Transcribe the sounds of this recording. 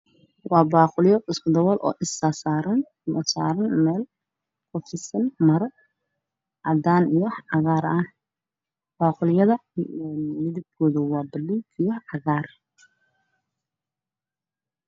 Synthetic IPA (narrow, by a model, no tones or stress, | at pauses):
wɑːbaːqʊljɔɪskʰʊd̪ɔwɔlʔɔ̰ːʔɪsaːsaːɾɐn | mɐsa̰ːɾɐnmɛːl | kʰʊt͡ʃʰɪsɐnmɐɾɔ | ʔɑd̪aːnjɐħʕɑɣaːɾɐh | b̥aːqʊljɐðɐnmɪðɪb̚kʰɔːðɐwɑːbɐluːkʰɪjɐħʕɑɣaːr